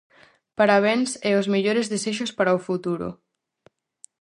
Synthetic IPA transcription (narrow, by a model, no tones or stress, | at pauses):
paɾaβ̞ɛnsɛʊzmeʎoɾezðeseʃ̬ʊspaɾaofut̪uɾʊ̰